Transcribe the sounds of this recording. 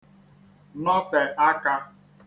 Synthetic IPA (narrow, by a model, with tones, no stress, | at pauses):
nɔ˦pɛ˨a˦ka˦